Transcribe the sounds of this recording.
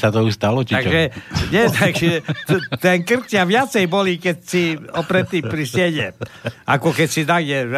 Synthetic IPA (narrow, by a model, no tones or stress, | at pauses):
sat̪ɔust̪alɔiaɡʒɛɲɛt̪aɡʒɛɛt̪ɛnkr̩t̪jaʋɪat͡sɛjbɔlikɛcsiɔpɾɛt̪ːipɾisjɛɟɛakɔkɛcsit̪aɡjɛ